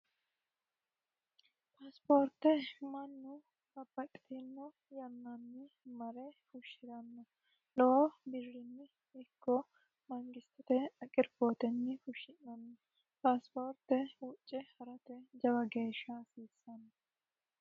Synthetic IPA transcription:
paːspoːɾt̪ːɛmɐnːʊ | kɐbːɐkʼɪ̥t̪inːɔ | jɐnːɐnːɪ | mɐɾɛfʊʃːɪɾɐnːɐ | lɔɔbɪrːɪnːɪ | ɪkːɔ | mɐŋɡɪst̪ɪt̪ɛɐkʼɪɾboːt̪ɛnːɪfʊʃɪnːɐnːɐ | paːspoːɾt̪ɛwʊt͡ʃʼːɛhɐɾɐt̪ɛd͡ʒɐbɐɡeːʃːasiːsːɐnːɐ

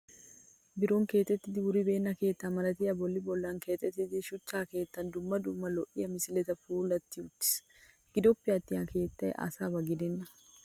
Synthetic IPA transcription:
bɪɾoːŋke̞ːt̪ːɛt̪ːɪd̪ɪɡʊɾibe̞ːnːɐke̞ːt̪ːamɐlɐt̪iːɐbɔlːɪbɔlːɐŋke̞ːt̪ːɛt̪ːɪd̪ɪʃʊt͡ʃːaːke̞ːt̪ːɐnd̪ʊmːɐd̪ʊmːɐlɔʔɪjɐmɪsɪlɛt̪ɐfuːlɐt̪ːɪʊt̪ːɪ̥s | ɡ̥ɪd̪ɔpːɪɐt̪ːɪɐke̞ːt̪ːɐɛ̰ʔa̰ːsaːbɐɡɪd̪ɛnːɐ

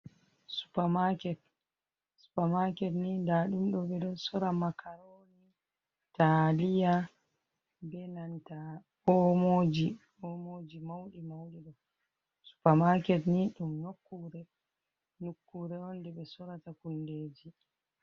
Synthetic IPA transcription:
su̥pamakɛt̚ | su̥pamakɛtnindaɗumɗɔɓɛɗɔsɔɾamakʰaɾoni | talija | bɛnanta | ɔmod͡ʒi | ɔmod͡ʒimawɗimawɗiɗɔ | su̥pamakɛtniɗumnokːuɾɛ | nukːuɾɛɔndɛɓɛsɔɾatakundeːd͡ʒi

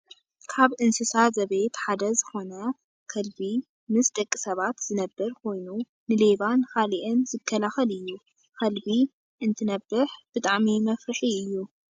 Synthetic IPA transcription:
kʰaβʔɨnsɨsazɐβejt̪ħad̪ɐzɨxo̞nɐ | kʰɐlbi | mɨsd̪ɐkʼːisɐβat̪z̥ɨnɐbːɐɾkʰo̞jnu | nɨleβankʰaliʔɨnzɨkʰːɐlaxɐlɨjːu | kʰɐlbi | ʔɨnt̪ʰɨnɐbːɨħb̥ɨt̪ʼaʕmimɐfɾɨħiɨjːu

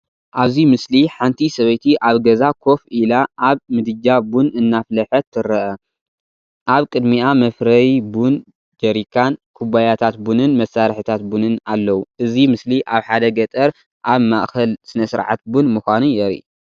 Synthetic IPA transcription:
ʔaβzimɨsliħant̪ʰisɐβɐjt̪ʰiʔaβɡɐzakʰo̞filaʔːβmɨd̪ɨd͡ʒabunɨnːaflɐħɐt̪ʰːɨɾɐʔɐ | ʔaβkʼɨd̪miʔamɐfɾɐjbun | d͡ʒɐɾikʰːankʰuβajat̪ʰat̪bunɨnmɐsːaɾħɨt̪ʰat̪̚bunɨnalːɐwuʔɨzimɨsliʔaβħad̪ɐɡɐt̪ʼɐɾ | ʔaβmaʔxɐlsɨnɐsɨɾʕa̰t̪̚bunmɨxʷanujɛɾḭ

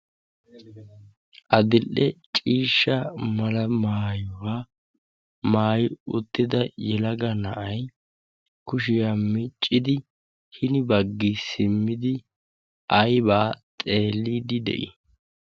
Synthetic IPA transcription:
ʔɐd̪ɪlːɛt͡ʃʼiːʃːɐmɐlɐmaːjɔwaː | maːjɪʊt̪ːɪd̪ɐjɛlɐɡɐnɐʔɐj | kʊʃɪjamɪt͡ʃʼːɪd̪ɪ | hɪnɪbɐɡːɪsɪmːɪd̪ɪ | ʔɐjbaːt̪ʼe̞ːlːiːd̪ɪd̪ɛ̰ʔɪ̰

